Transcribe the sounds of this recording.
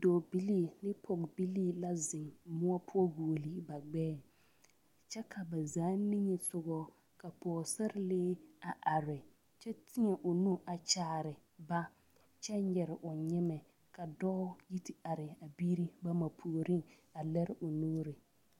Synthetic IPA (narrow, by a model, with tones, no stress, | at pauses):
dɔː˨bi˦liː˦˨lɪ˦pʰɔ˨ɡbi˦liː˦la˦zɪ˨ŋmʊ˦ɔ˦pʰʊ˦ɔ˦ɡuː˨li˦ba˨ɡ͡bɛː˦ | t͡ʃɛ˦kʰa˨ba˨zaː˨˦nɪ˦ɲɛ˨sʊ˦ɡɔ˦ | ka˨pɔː˨sɛ˦ɾɪ˦lɪː˦a˨ʔa˨ɾɪ˨ | t͡ʃɛ˦tʰɪ˦ŋɛ˨ʔʊ˨nu˦ʔa˨t͡ʃaː˦˨ɾɪ˨ba˦ | t͡ʃɛ˦ɲɛ˨ɾɪ˨ʔʊ˨ɲɪ˦mɛ˨ | ka˨dɔː˦ji˦tʰɪ˦a˨ɾɪ˨a˨bi˦ɾi˦ba˦ma˨pʰu˨ɾi˦ŋ | a˨lɛ˦ɾɪ˦ʔʊ˨nuː˦ɾɪ˨